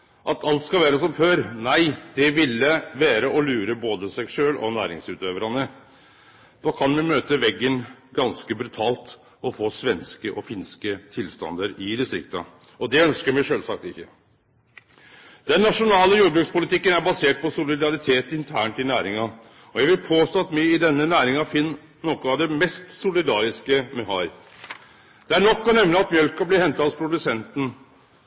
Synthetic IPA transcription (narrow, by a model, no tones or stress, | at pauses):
ʔɑt̪ʰɑlt̪skɑlʋæːɾəsɔmføːɾnæɪd̪̥ɛʋɪlːəʋæːɾəʔɔlʉːɾəboːd̪əsɛɡʂøːlɔ̰næ̰ːɾɪ̰ŋsʉːt̪øːʋəɾɑnə | d̪̥ɑːkʰɑnmɛmøːt̪əʋɛɡːənɡɑnskəbɾʉt̪ʰɑːlt̪ | ɔfoːsʋɛnskəʔɔfɪnskət̪ʰɪlst̪ɑ̰nd̪əɾɪd̪ɪst̪ɾɪ̰kt̪ə̰ | ɔd̪ɛœnskəɾmæʂøːlsɑk̚t̪ɪçːə | d̪ɛnːɑʂʊnɑːləjuːbɾʉkspʊlɪt̪ɪkːənæɾbɑseːʈ̚pʰɔsʊlɪd̪ɑɾɪt̪ʰeːt̪ɪnt̪ʰæːɳʈɪlnæːɾɪŋɑ | ɔjæɡʋɪlpʰoːst̪oːɑt̪myːɪd̪ɛnːənæːɾɪŋɑfɪnː | nɔkːɔɑʋd̪ɛmɛst̪sʊlɪd̪ɑːɾɪskəmɛɦɑɾ | d̪̥ɛæɳɔkːɔnɛmnəɑt̪mjœlkɑblɪhɛnt̪ɑhɑspʰɾʊd̪ʉsɛnt̪n̩